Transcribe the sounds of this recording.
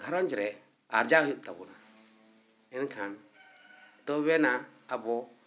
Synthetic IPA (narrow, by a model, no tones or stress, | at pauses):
ɡʱɔɾɔnd͡ʒɾɛ | aɾd͡ʒaujuʔ̪̚t̪abɔna | ɛnkʰan | t̪ɔbɛnaːbɔ